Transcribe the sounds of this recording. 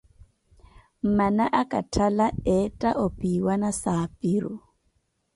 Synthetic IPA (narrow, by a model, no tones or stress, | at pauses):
m̩manaʔakʼatʰalaɛtʼaʔopʼiwanasaːpʼiɾʊ